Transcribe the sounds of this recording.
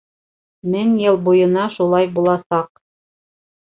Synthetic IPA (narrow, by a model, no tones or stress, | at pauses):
mɘŋjɤlˠbujɤ̆nɑʃulˠɑjbulˠɑsɑq̚